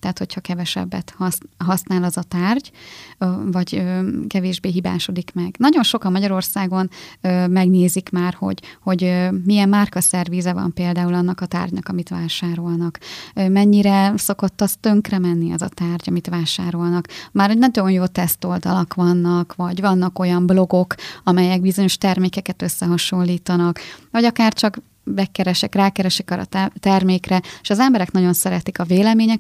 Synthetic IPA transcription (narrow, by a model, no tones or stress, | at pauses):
t̪aːt̪ho̞chɒkɛvɛʃɛ̰bːɛ̰t̪hɒsɦɒsnaːlɒzɒt̪aːrɟ | vɒɟøːkɛveːʒbeːɦiba̰ːʃo̞d̪ikmɛɡnɒɟo̞nʃo̞kɒmːɒɟɒɾo̞rsaːɡo̞nømɛɡneːzikmaːrho̞̰ɟho̞ɟmijɛmːarkɒsɛrviːzɛvɒ̰mpeːld̪aːulɒnːɒkɒt̪a̰ːrɟnɒ̰kɒmit̪ʋaːʃaːɾo̞lnɒkːmɛɲːiɾɛso̞ko̞t̪ːɒst̪ø̞ŋkrɛmɛnːiɛ̰zɒt̪aːrɟɒmit̪ʋaːʃaːɾo̞lnɒkmaːɾoɟnɒɟo̞njoːt̪ɛst̪o̞ld̪ɒ̰lɒkʋɒnːɒkvɒɟvɒnːɒko̞jɒmbloɡo̞kɒmɛjɛɡ̚bizo̞ɲo̞ʃt̪ɛrmeːkɛkɛt̪ø̞sːɛɦɒʃo̞nlːiːt̪ɒnɒkvɒɟɒkaːrt͡ʃɒk | bɛkːɛɾɛʃɛkraːkɛɾɛʃɛkɒɾɒ̰t̪t̪ɛrmeːkrɛeʃɒzɛmbɛɾɛknɒɟo̞nsɛɾɛt̪ikɒveːlɛmeːɲɛk